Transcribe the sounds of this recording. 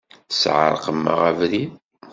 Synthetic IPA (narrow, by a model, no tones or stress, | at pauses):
sʕə̰ɾˤqəmːə̰ʁævɾi